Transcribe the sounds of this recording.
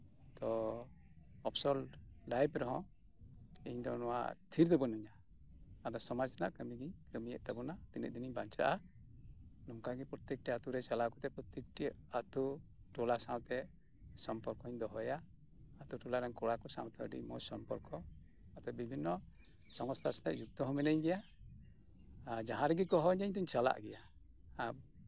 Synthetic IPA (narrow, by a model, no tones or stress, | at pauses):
t̪ɔ | ɔpsɔlːajpɾɔɦɔ̃ | iɲd̪ɔnɔwa̰t̪ʰiɾd̪ɔbɔnuɲa | ad̪ɔsɔmad͡ʒɛnaʔkəmiɡiɲkəmijɛʔt̪abɔnat̪inɛ̰ʔ̚d̪iniɲbaɲt͡ʃa̰ʔa | nɔŋkaɡipɾɔt̪ɛk̚ʈiat̪uɾɛt͡ʃalakɔt̪ɛpɾɔt̪ɛk̚ʈiat̪u | ʈɔlasãwt̪ɛ | sɔmpɔɾkɔɲd̪ɔɦɔjaː | t̪uʈɔlaɾɛnkɔɽakɔsã̰wt̪ɛə̰ɖḭmɔ̰sɔmpɔ̰ɾkɔ | at̪ɔbibʱinːɔ | sɔŋɔst̪ʰast̪ɛʔd͡ʒuk̚t̪ɔɦɔmɛnəɲɡɛja | d͡ʒaɦãɾɛɡikɔɦɔɲɛɲt̪uɲt͡ʃala̰ʔɡɛjaː